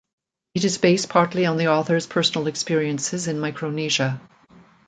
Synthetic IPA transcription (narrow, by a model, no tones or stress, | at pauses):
ɨɾɨzbeɪspʰɑɹtˡliə̃nðiɔθə˞z̥pʰɜ˞sn̩l̩ˠɨkspɪɹiɨ̃nsɨzɨ̃nmaɪkʰɹoʊniʒɨ